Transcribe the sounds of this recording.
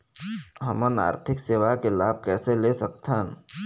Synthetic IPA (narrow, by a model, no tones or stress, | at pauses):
ɦəməna̰ːɾt̪ʰɪkseːʋakelaːb̚kɛːselesəkt̪ʰan